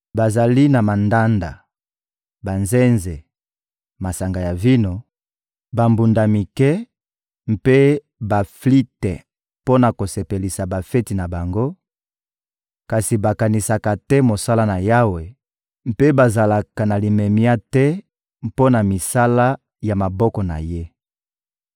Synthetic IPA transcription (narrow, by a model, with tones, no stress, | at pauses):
ba˨za˨li˦na˨ma˨nda˦nda̰˨ | ba˨nzɛ˦nze˨ | ma˨sa˨ŋɡa˨ja˨vi˦no˨ | ba˨mbu˨nda˨mi˨kɛ˦ | m̩˦pe˦ | ba˨fli˦tɛ˨ | po˦na˨ko˨se˨pe˨li˨sa˨ba˨fɛ˦ti˨na˨ba˨ŋɡo˦ | ka˨si˨ba˨ka˨ni˨sa˨ka˨tɛ˦mo˨sa˦la˦na˨ja˦we˨ | m˦pe˦ba˨za˨la˨ka˨na˨li˨me˨mja˦tɛ˦ | mpo˦na˨mi˨sa˦la˦ | ja˨ma˨bɔ˦kɔ˨na̰˨je˦